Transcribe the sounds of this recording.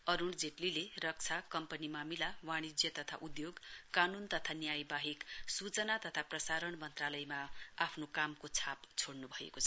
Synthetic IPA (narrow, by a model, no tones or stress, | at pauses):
ʌɾuɽd͡zeʈlilerʌk̚t͡sʰakʌmpʌnimamilawaɽ̃id͡zjʌt̪ʌt̪ʰaʔud̪joɡkanunt̪ʌt̪ʰanjajbaɦiksut͡sʌnat̪ʌt̪ʰaprʌsaɾʌɳmʌnt̪ralʌjmaapʰnokamkot͡sʰapt͡sʰoɽnubʱʌḛkot͡sʰʌ